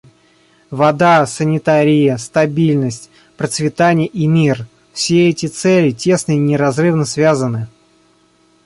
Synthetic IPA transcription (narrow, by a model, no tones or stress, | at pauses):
vɐd̪asənʲɪt̪aɾʲɪjəst̪ɐbʲilʲnəsʲtʲ | pɾət̪svʲɪt̪anʲɪjəʔimʲir | fsʲeɛtʲɪt̪sɛlʲɪtʲe̞snəinʲɪɾɐzrɨvnəsvʲazənɨ